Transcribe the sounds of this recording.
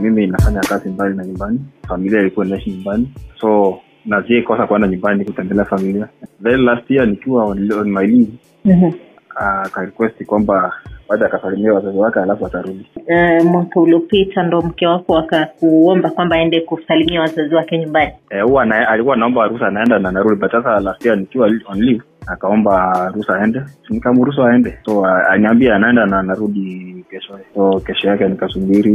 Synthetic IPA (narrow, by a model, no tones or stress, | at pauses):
miminafaɲakazimbalinaɲumbanifamiliailikuwainaɛʃiɲumbanisɔ | naziɛkɔsakuɔndaɲumbanikutɛndɛlɛafamiliavɛɾilastianikiwaɔnimaili | ɦ̩ | akaɾikwɛstikwambabaɗɔakasalimiawazaziwakɛalafuataɾudiɛmwakauliɔpitandɔm̩kɛwakɔakakuɔmbakwambaːɛndɛkusalimiawazaziwakɛɲumbaniɛuwanaalikuwaːnaɔmbaaɾusaːnaɛndanaːnaɾuɗiɓasasalasianikiwalɔnliv | akaɔmbaɾusaːɛndɛsnikamuɾus̬aaɛndɛsɔaa̰niambiaːnaɛndanaːnaɾuɗikɛʃɔsɔkɛʃɔjakɛnikasumiɾi